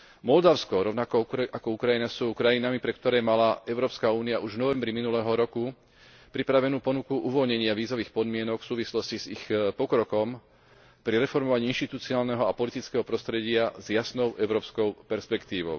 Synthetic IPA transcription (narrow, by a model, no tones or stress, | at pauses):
mɔld̪aʊskɔɾɔʊnakɔakɔukɾajinasuːkɾajinamipɾɛtk̚t̪ɔɾɛːmalaʔɛʊɾɔːpskauːniaʔuʒʋnɔʋɛmbɾiminulɛːɦɔɾɔku | pɾipɾaʋɛnuːpɔnukuʔuʋɔlɲɛɲɪaʋiːzɔʋiːxpɔd̪mɪɛnɔkfsuːʋislɔscizixpɔkɾɔkɔm | pɾiɾɛfɔɾmɔʋaɲiːinʃt̪it̪ut͡siaːlnɛɦɔapɔlit̪it͡skɛːɦɔpɾɔst̪ɾɛɟɪazjasnɔʊʔɛʊɾɔːpskɔʊpɛɾspɛkt̪iːʋɔʊ